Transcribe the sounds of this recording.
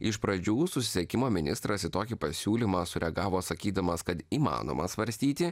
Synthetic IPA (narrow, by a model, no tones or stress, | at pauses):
ɪʃpɾɐd͡ʒʲuːsʊsʲɪ̥sʲɛkʲɪmoːmʲɪnʲɪst̪ɾɐsɪt̪oːkʲɪpɐsʲuːlʲiːmɑːsʊɾʲɛɐɡɑːʋoːsɐkʲiːd̪ɐmɐskɐt̪iːmɑ̰ːno̰ːmʔɐsʋɐɾʲsʲt̪ʲiːt̪ʲɪ